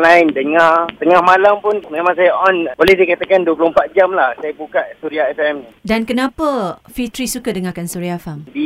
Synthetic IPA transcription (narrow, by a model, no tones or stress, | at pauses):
laɪndəŋart̪əŋahmalampʊnmemãŋs̬ajaʔɔnbolɛhdiəkat̪akanduəp̬lompat̪̚d͡ʒamlahsajabukaʔ̪̚suɾiaɛfɛmnidankənãpafit̪ɾisukadəŋakansuɾiafamdi